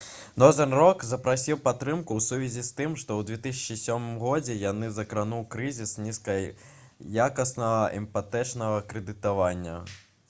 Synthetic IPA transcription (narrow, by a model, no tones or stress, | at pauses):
nɔzɐnrɔkzɐpɾasʲiwpat̪ːɾɨmkuwsuvʲizʲist̪ɨmʂt̪ɔwd̪vʲɛt̪ɨs̬ʲɐ̥t͡ʃisʲɔmɨmɣɔd͡zʲɛjanɨzɐkɾanuwkɾɨzʲisnʲiskɐj | jakɐsnɐɣɐɛmpat̪ɛt͡ʂnɐɣɐkɾɛd̪ɨt̪avanʲːɐ̰